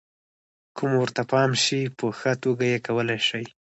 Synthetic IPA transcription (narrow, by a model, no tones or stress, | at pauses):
kʰumwəɾt̪apɑmʃipəxat̪oɡajekawəlajʃaj